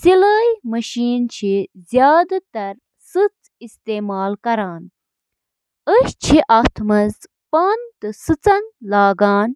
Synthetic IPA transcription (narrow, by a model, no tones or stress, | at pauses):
siləːjmɐɕiːnt͡ɕʰizjaːd̪t̪ɐɾ | sɨt͡s | ist̪eːmaːlkɐɾaːn | əɕt͡ɕʰiʔaːt̪ʰmɐz | paːnt̪ɨsɨt͡sɐnlaːɡaːn